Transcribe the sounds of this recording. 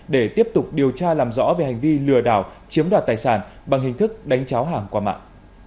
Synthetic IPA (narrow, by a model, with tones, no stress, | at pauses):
ɗe˧˩t̪i˦˥əp̚t̪ʊ˨˩k͡p̚ɗi˨˩əwt͡ɕaː˧laː˨˩mzɔ̰˧˥ve˨˩ha˨˩jŋ̟vi˧lɨ˨˩əɗaː˧˩wt͡ɕi˨˦əmɗwaː˨˩t̚t̪aː˨˩jsaː˧˩nɓa˨˩ŋɦï˨˩ŋ̟t̪ʰɨ˦˥k̚ɗa˨˦jŋ̟t͡ɕaː˨˦wɦaː˨˩ŋkwaː˧ma̰ː˧˨ŋ